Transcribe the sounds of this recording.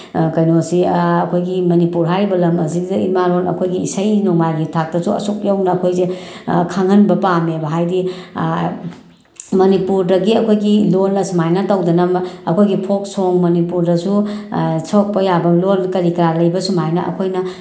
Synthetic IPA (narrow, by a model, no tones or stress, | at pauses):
kɐjnosiɐkʰojɡimɐnipuɾɦajɾibɐlɐmɐzidḭmalonɐ̰kʰojɡiḭsɐjnoŋmajɡitʰak̚tɐsuɐ̰suk̚jawnɐːkʰojzekʰaŋhɐnbɐpamebɐɦajdi | mɐnipuɾdɐɡiɐkʰojɡilonːɐsumajnɐtawdɐnɐmɐkʰojɡipʰok̚soŋmɐnipuɾdɐsu | sʰok̚pɐjabɐlonkɐɾikɐɾalɐjbɐsumajnɐʔɐ̰kʰojnɐ